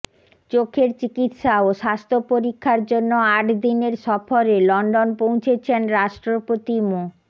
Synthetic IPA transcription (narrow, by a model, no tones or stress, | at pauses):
t͡ɕokʰeɾt͡ɕikit̪ʃaoʃast̪ʰopoɾikʰːaɾd͡ʑonːoaʈd̪ineɾʃɔfoɾelɔɳɖonpõw̃t͡ɕʰet͡ɕʰenɾaʃʈɾopot̪imo